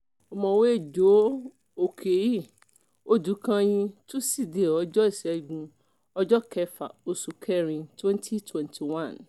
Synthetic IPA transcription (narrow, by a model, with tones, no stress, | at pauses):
ɔ˨mɔ̃˨we˦e˦˨d͡ʒo˨˦ | o˨kʰe˨˦ji˦˨ | o˦du˨˦kã˦j̃ĩ˧tũ˦si˦˨de˨ɔ˨˦d͡ʒɔ˦i˦˨sɛ˨˦˨ɡũ˧ | ɔ˧d͡ʒɔ˦kɛ˧fa˨o˧su˨kʰɛ˦ɾĩ˧twɛ̃˦n˦tʰi˦twɛ̃˨ntʰi˨wã˦˨n